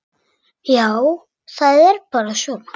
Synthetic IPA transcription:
jaw | θaðɛɾpaːɾasɔl

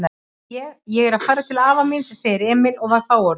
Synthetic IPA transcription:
a | ɛɣjɛɣɛɾaðfajɾat̪ʰɪlaaːvaminsɛseːjðɪɾɛːmɪlɔɣvaɾfaːwɔɾ

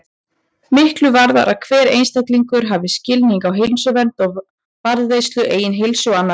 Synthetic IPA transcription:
mɪhklʏvaɾða̰ɾʔaðkʰvɛːɾḛjnst̪ɛt̪liŋkʏɾ̥ɦavɪscɪlniŋkawɦɪlnsʏvɛnt̪ɔɣ | vaɾðvejst̪lʏʔeːjɪnɦɪlsʏwanːa

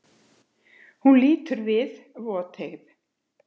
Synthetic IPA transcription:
hunliːt̪ʏɾvɪð | vɔːt̪ʰeɣð

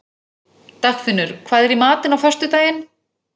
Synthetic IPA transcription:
t̪axfɪnːʏɾ̥kʰvaːðɛɾimaːt̪ɪnawfœr̥st̪ʏt̪aːjɪn

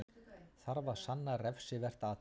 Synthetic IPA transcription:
θaɾvḁsanːarɛfsɪvɛr̥t̪a

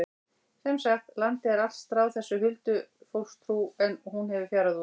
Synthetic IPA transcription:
sɛjmsaxt̪lant̪ɪɛɾast̪ɾawðθɛsːʏhʏlt̪ʏfowl̥st̪ʰɾuːɛnhunhɛvɪfjaːɾaðu

